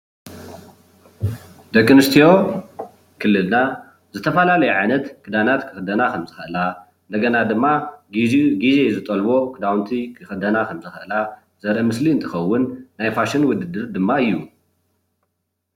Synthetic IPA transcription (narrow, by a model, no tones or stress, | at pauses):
d̪ɐkʼːɨnɨst̪ʰijo̞ | kʰɨlːɨlna | zɨt̪ʰɐfɐlalɐjuʕajnɐt̪kʰɨd̪anat̪kʰɨ̥xɨd̪ɐnakʰɐmzɨxʔɨla | nd̪ɐɡɐnad̪ɨmːa | ɡizezɨt̪ʼɐlbo̞kʰɨd̪awnt̪ʰikʰɨxɨd̪ɐnakʰɐmzɨxʔɨla | z̥ɐɾʔmɨsliɨnt̪ʰɨxɐwːʊnːajfaʃɨnwʊd̪ɨd̪ɨɾd̪ɨmːaɨjːu